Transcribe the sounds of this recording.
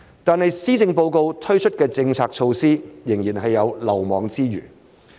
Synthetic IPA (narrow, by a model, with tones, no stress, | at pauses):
t̪aː˨nhɐ˨jsiː˥t͡sɪ˧ŋpo˧wko˧wt̪ʰɵ˥ɥt͡ʃʰɵ˥t̚kɛː˧t͡sɪ˧ŋt͡sʰaː˨k̚t͡ʃʰo˧wsiː˥jɪ˨˩ŋjiː˨˩nɦɐ˨jːɐ˨˧wlɐ˨˩wmɔː˨˥ŋt͡siː˥jy̰ː˨˩